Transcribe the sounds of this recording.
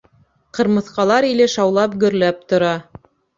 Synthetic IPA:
qɤ̆ɾmɤ̆θqɑlˠɑɾilɘʃɑwlˠɑpɡɵ̆ɾlæp̚t̪ŏɾɑ

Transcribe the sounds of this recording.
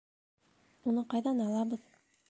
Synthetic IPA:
unɤqɑjðɑnɑlˠɑbɤð

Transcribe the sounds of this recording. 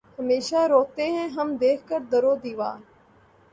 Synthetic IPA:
həmeːʃaɾoːt̪eɦɛ̃ɦəmd̪eːkʰkəɾd̪əɾoːd̪iːʋa̰ː

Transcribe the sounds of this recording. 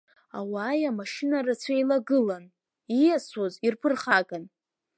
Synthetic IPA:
a̰waːjamaʂɪnaɾat͡sʷʰajlaɡɨlan | ijasozirpʰɨrχakʼan

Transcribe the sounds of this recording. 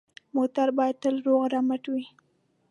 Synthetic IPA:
mot̪aɾbɑjad̪̚t̪əlɾoɣɾamaʈwi

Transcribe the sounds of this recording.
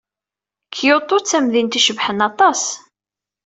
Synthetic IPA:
kʰːjot̪ˤːot͡sːæmðint̪iʃəvħənɑt̪ˤɑs

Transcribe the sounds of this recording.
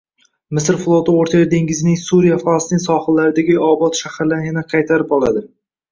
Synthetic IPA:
mɪsɾflˠot̪ɪoɾt̪ʰajad̪e̞ŋɡʲɪzɪnɪŋsuɾijafˠasnɪŋsɒχɨlːaɾɪd̪aɡʲɪɒbɒt̪ʃahɾɪlanɡʲɪnaqʰɑjt̪ʰaɾɪpɒlˠad̪ɪ

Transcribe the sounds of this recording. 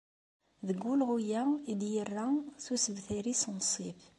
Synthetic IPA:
ðəɡːʊlʁujæid̪jərːaθusəbθiɾisnsˤif

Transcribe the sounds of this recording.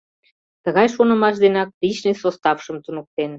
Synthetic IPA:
t̪əɣɑjʃonə̆mɑʃd̪enɑk̚t̪it͡ɕnesost̪ɑfʃəmt̪unək̚t̪en

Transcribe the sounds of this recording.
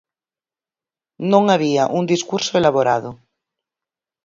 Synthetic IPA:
nõŋaβiaʔund̪iskuɾsoelaβoɾa̰ðo

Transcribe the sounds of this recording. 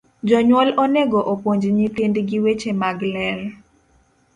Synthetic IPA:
d͡ʒɔɲwɔloneɡoʔopoɲd͡ʒɲit̪indɡiwet͡ʃemaɡlɛl

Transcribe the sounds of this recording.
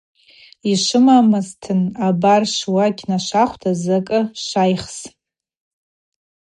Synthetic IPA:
iʂɨmamɨztʰɨnabarʂwakʲʰnaʂaχʷtʰazakʼɨʂʷajχs

